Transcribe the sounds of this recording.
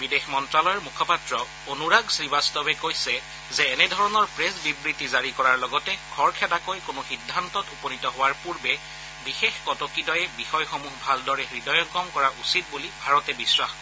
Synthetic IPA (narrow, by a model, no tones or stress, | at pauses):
bidexmɔntɹalɔjɔɹmukʰɔpatɹɔ | onuɹaɡsɹibastɔbɛkojsɛ | zɛːnɛdʱɔɹɔnɔɹpɹesbibɹitizaɹikɔɹaɹlɔɡɔtɛkʰɔɹkʰɛdakojkʊnʊxidʱːantɔtupɔnitɔɦʊwaɹpuɹbɛ | bixexkɔtɔkidɔjɛbixɔjxɔmuɦbʱaldɔɹɛxɹidɔjɔŋkɔmkɔɹaʔusit̚bulibʱaɹɔtɛbiswax